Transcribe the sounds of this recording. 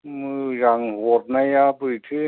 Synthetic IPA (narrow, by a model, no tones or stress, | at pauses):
mɯːjaŋhut̪̚najapɯːt̪ʰɯ